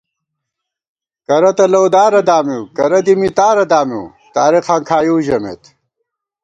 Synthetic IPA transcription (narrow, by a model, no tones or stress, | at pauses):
kɐɾɐt̪ɐlɐwd̪aːɾɐd̪aːmiwkɐɾɐd̪imit̪aːɾɐd̪aːmḭw | t̪aːɾiqaŋkʰaːjuːʑɐmḛt̪